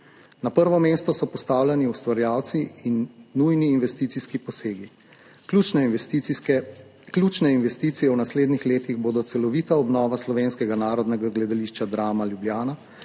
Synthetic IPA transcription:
napəɾʋɔmeːst̪ɔsɔpɔst̪aːwlʲjaniust̪ʋaɾjaːwt̪siinːujniːnʋɛst̪iːt̪siskipɔseːɡi | kut͡ʃnɛ | klut͡ʃnɛinʋɛst̪iːt̪sijɛwnasleːd̪nixleːt̪iɣboːd̪ɔt̪sɛlɔʋiːt̪aɔbnɔːʋaslɔʋeːnskɛɡanaːɾɔd̪nɛɡaɡlɛd̪aliːʃt͡ʃad̪ɾaːmaljubljaːna

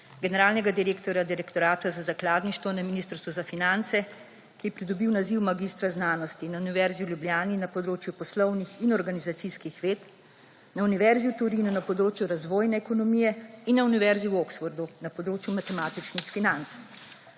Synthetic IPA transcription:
ɡɛnɛɾaːlnɛɡad̪iɾeːkt̪ɔɾjad̪iɾɛkt̪ɔɾaːt̪azazaklaːd̪niʃt̪ʋɔnaminiːst̪ɾst̪ʋɔzafinant̪sɛ | kijɛpɾid̪ɔbiwnaziwmaɡiːst̪ɾaznaːnɔst̪inauniʋɛɾziuljubljaːninapɔd̪ɾoːt͡ʃjupɔslɔwnixinɔɾɡanizat̪siskixʋeːt̪ | nauniʋɛɾziut̪uɾinunapɔd̪ɾoːt͡ʃjuɾazʋoːjnɛːkɔnɔmijɛinːauniʋɛɾziuwɔksfɔɾd̪unapɔd̪ɾoːt͡ʃjumat̪ɛmaːt̪it͡ʃnixfinant̪s

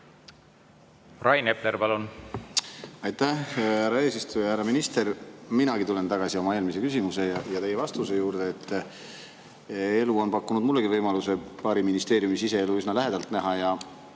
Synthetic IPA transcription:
rɑjnepleɾpɑlun | ɑjt̪ːæhhærɾːɑe̞ːsist̪ujɑhæɾɑminist̪e̞ɾminɑɡit̪ule̞nt̪ɑɡ̥ɑsio̞mɑe̞ːlmis̬e̞kysimuse̞jɑjɑt̪e̞je̞vɑst̪use̞juːɾd̪̥e̞ːt̪ˑː | e̞luo̞npɑkːunud̪mulːeɡivɤjmɑluse̞pɑːɾiminist̪e̞ːɾjumisise̞eluysnɑlæɦe̞d̪̥ɑlt̪næɦɑjɑ

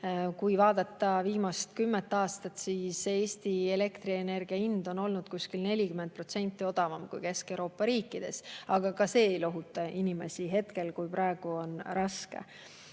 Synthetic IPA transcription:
kujvɑːd̪̥ɑt̪ˑːɑviːmɑst̪kymːet̪ːˑɑːst̪ɑt̪siːse̞ːsʲt̪ie̞le̞kt̪ɾiene̞rɡ̥iɑind̪̥o̞no̞lnud̪̥kuskilne̞lʲikyment̪̚pro̞t̪se̞nʲt̪ːˑio̞d̪̥ɑvɑmkṵjke̞skewɾo̞ːpːˑɑɾiːkːˑid̪̥e̞̰sɑɡ̥ɑkɑse̞ːejlo̞ɦut̪ːˑɑinime̞̰siɦe̞t̪ke̞lkujpɾɑe̞ɡ̥uo̞nɾɑskḛ

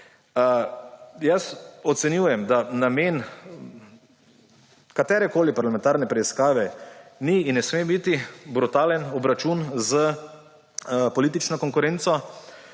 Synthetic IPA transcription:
jəsɔt̪sɛnjuːjɛmd̪anameːn | kat̪ɛːɾɛkoːlipaɾlamɛ̃nt̪aɾnɛpɾɛiskaːʋɛniːnːɛsmebit̪ibɾut̪aːlənɔbɾat͡ʃunzə | pɔliːt̪̬it͡ʃnɔkɔŋkʊɾent̪sɔ

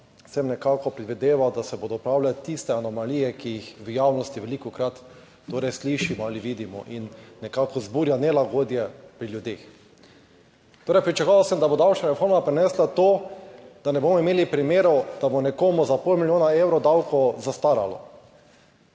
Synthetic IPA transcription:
sɛmnɛkaːkɔpɾɛd̪ʋid̪eːʋawd̪asɛbod̪ɔpɾawlat̪ist̪ɛanɔmalijɛkijixʋəjaːwnɔst̪iʋɛlikɔkɾat̪ː | oːɾɛjsliʃimɔaliʋiːd̪imɔ̰ʔinːɛkaːkɔzbuːɾjanɛlaɡoːd̪jɛpɾiljud̪eːx | t̪oːɾɛjpɾit͡ʃakːʋasəmd̪abod̪awt͡ʃnaɾɛfoːɾmapɾɛnɛslat̪oːd̪̥anɛboːmɔimeːlipɾimeːɾɔd̪̥abonɛkoːmuzapolmilʲjoːnaewɾɔd̪awkɔzast̪aɾalɔ̰

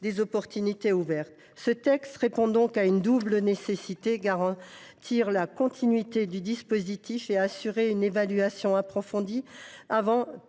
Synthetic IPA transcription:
d̪ezɔpɔʁt̪ynit̪euvɛʁt̪ | sət̪ɛkst̪ʁepɔ̃d̪ɔ̃kaynd̪ublnesesit̪eɡaʁɑ̃t̪ʰiʁlakɔ̃t̪ʰinɥit̪ed̪yd̪ispozit̪ʰifeasyʁeynevalɥasjɔ̃apχɔfɔ̃d̪iavɑ̃

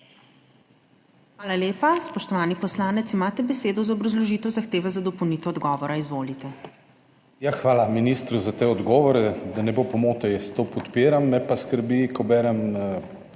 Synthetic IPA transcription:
xʋaːlaleːpaspɔʃt̪ɔʋaːnipɔslaːnɛt̪simaːt̪ɛbɛseːd̪ɔzaɔbɾɐzlɔʒit̪ɛwzaxt̪eːʋɛzad̪ɔpownit̪ɛɔd̪ɡɔːʋɔɾaizʋoːlit̪ɛ | jaxʋaːlaminist̪ɾuzat̪eɔd̪ɡɔːʋɔɾɛd̪anɛboːpɔmoːt̪ɛjɛst̪opɔt̪piːɾamːɛpaskəɾbikɔbɛːɾɛm

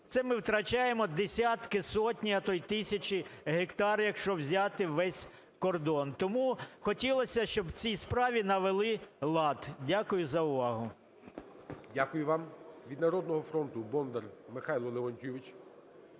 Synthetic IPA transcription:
t̪sɛmɪwt̪ɾɐt͡ʃajemɔd̪esʲat̪kɪsɔtʲnʲiɐt̪ɔjt̪ɪsʲɐt͡ʃiɦekt̪ɑrjɐkʃt͡ʃɔbwzʲat̪ɪʋɛsʲ | kɔrd̪ɔnt̪ɔmuxɔtʲilˠɔsʲɐʃt͡ʃɔb̪t͡sʲispɾɑʋʲinɐʋelˠɪlˠɑt̪dʲakʊjʊzɐʊʋɑɦʊ | dʲakʊjʊʋɑmʋʲid̪nɐɾɔd̪nɔɦɔfɾɔnt̪ʊbɔnd̪ɛrmɪxɑjlˠɔlˠeʋɔnʲtʲuʋʲɪt͡ʃ

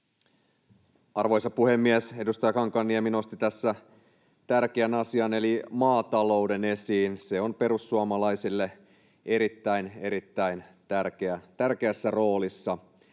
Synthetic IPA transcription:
ɑrʋojsɑpuhemːiese̞dust̪ɑjɑkɑŋkɑnːiemino̞st̪it̪æsːæ | t̪ærk̟eænɑsiɑne̞limɑːt̪ɑlo̞ude̞ne̞siːnseonpe̞ɾusːuɑmɑlɑisilːe | eɾit̪ːæine̞ɾit̪ːæint̪ærkeæt̪ærkeæsːæro̞ːlisːɑ

